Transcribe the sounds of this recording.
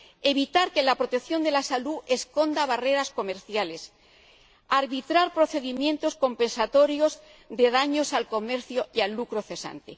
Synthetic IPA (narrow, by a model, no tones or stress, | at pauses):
e̞β̞it̪aɾke̞lapɾo̞t̪e̞kθjo̞nd̪e̞lasalue̞sko̞nd̪aβare̞ɾasko̞me̞ɾθjale̞s | aɾβit̪ɾaɾpɾo̞θe̞ðimjẽ̞nt̪o̞sko̞mpẽ̞nsat̪o̞ɾjo̞z | d̪e̞ð̞aɲo̞salko̞me̞ɾθjoialːukɾo̞θe̞sa̰nt̪e